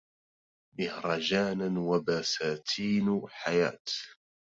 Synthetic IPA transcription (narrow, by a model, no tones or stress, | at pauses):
mɪhɾˤɑd͡ʒaːnawabaːsaːt̪ʰiːnħaja̰ːt̪